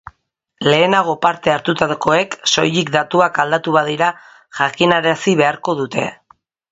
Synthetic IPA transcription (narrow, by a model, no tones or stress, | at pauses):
le̞ːnaɣ̞o̞paɾt̪e̞aɾt̪ut̪ako̞e̞kso̞̰jlikd̪at̪uakald̪at̪uβaðiɾa | ʝakinaɾesiβe̞aɾko̞ðut̪e̞̰